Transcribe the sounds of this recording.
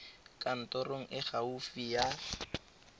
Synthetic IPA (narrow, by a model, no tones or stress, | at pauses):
kʼan̩tɔroŋ̩ʔɪχaufija